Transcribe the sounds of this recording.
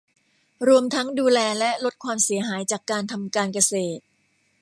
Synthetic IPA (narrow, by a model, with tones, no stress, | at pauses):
ɾu˧əmt̪ʰa˦˥ŋduː˧lɛː˧lɛ˦˥lo˦˥t̪̚kʰwaː˧msi˩˦ɐɦaː˩˦jt͡ɕaː˨˩kːaː˧nt̪ʰa˧mkaː˧nka˧seː˨˩t̪̚